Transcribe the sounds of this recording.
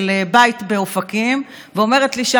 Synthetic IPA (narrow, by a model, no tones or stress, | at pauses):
lebajitbe̞ofakim | veo̞meʁet̪liʃa